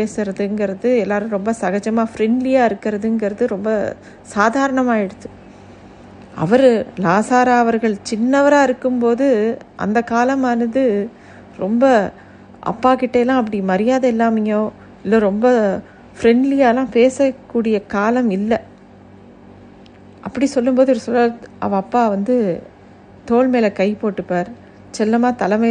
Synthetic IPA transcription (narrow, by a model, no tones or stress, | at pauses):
peːsɯɾɐðɯɛŋɡɪɾɐðɯɛlːaːɾɯ̃ɾɔmbɐsɐɣɐd͡ʒɐmaːfɾɛɳɖlɪjaːɪɾɯkːɪɾɐðɯɛŋɡɪɾɐðɯɾɔmbɐ | saːðaːɾɐɳɐmaːɪɽɯt̪ːɯ | ɐ̰ʋɐɾlaːsaːɾaːʋɐɾɣɐɭt͡ʃɪnːɐʋɐɾaːɪɾɯkːɯmpoːðɯʔɐ̰nd̪ɐkːaːlɐmaːnɐðɯ | ɾɔmbɐ | ʔɐ̰pːaːkɪʈːeːlãːɐp̬ːɐɽimɐɾɪjaːðɐɪlːaːmɪŋoː | ɪlːoːɾɔmbɐ | fɾɛɳɖlɪjaːlãːpeːsɐkːuːɽɪjɐkaːlɐmɪlːɐ | ʔɐpːɐɽisɔlːɯmpoːðɯʋɾsɔlːaːʔɐ̰ʋɐɐpːaːʋɐnd̪ɯ | t̪oːɭmeːlɐkɐɪpoːʈːɯpːaːɾ | t͡ʃɛlːɐmaːt̪ɐlɐmɐ